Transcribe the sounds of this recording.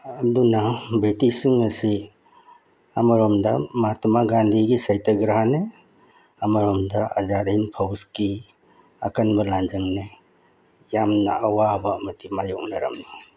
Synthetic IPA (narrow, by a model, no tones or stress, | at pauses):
ɐdunɐbɾitisiŋɐsi | amaɾɔmdɐmatʰmaɡand̪ʱiɡisajtɐɡɾaɦane | amaɾɔmdɐɐ̰zatinpʰawski | akanbɐland͡ʒaŋne | jamnɐ̰ʔawabɐːmɐtimajɔk̚naɾɐ̰mna